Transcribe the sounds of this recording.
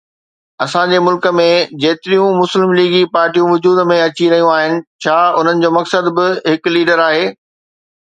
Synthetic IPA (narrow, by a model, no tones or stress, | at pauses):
ɐsãd͡ʑeːmʊlkə̆mẽd͡ʑeːt̪ɪɾijũmʊslɪmliːɡipaːɾʈijũʋʊd͡ʑuːd̪mẽɐt͡ɕiɾɐɦijũaːɦɪnɪ̆t͡ɕʰaːʊn̤ənɪ̆d͡ʑoːmɐksəd̪bɪɦɪkʊliːɖəɾaːɦeː